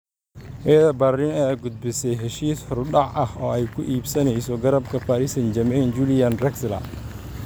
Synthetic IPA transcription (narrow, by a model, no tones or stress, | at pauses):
ʔɐjɐðɐbɐɪnɛːɐɡʊd̪̚bɪsɛjɦɛʃiːshɔrɗɑʕʔɐhɔːɛjkʰʊʔiːbsɐnɛjsɔɡɐɾɐb̚kʰɐfaːɾɪsɐnd͡ʒɐmɛnd͡ʒuːlɪjɐnrɛkslɐ̰